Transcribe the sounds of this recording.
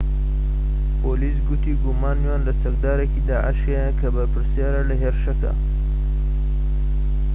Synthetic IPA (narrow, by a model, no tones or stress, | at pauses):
poːlisɡut̪iɡumaːnwaːnlat͡sɐk̚d̪aːɾakid̪aːʔa̰ʃeakɐbɐpəɾsjɑːɾalɐɦeɾʃɐka̰